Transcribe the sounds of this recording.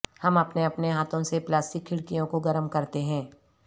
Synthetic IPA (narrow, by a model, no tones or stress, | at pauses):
hɐmɐpneɐpneɦaːt̪ʰõseplaːsʈɪkʰːɪɽkijõkoɡɐɾəmkɐɾt̪eɦɛ̃ː